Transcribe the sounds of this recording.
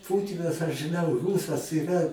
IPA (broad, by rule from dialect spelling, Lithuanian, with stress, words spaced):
ˈpuːtʲɪnɐs ɐʃ ʒɨˈnɐʊ ˈruːsɐs iːˈrɐ